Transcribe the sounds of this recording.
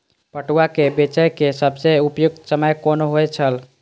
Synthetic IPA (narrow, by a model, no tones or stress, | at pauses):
pəʈuakebet͡ʃəjkesəbseupjuɡ̪̚səməjkonoɦojt͡ʃʰəl